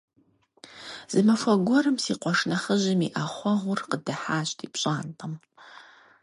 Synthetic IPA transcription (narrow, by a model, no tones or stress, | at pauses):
z̥ɨmɐfʷɐɡʷɔɾɨmsiːqʷɔʂnɐχəʑɪmiʔaχʷɔʁʷʊrqədɐħaːɕtʰiːpɕʼaːntʼɐm